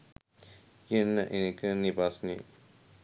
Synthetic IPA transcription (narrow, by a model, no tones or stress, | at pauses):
kiənːəʔenekənibasnḛ